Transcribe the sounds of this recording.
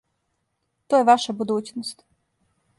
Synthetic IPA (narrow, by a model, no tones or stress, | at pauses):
t̪oːjeʋaʃabud̪uːt͡ɕnost̪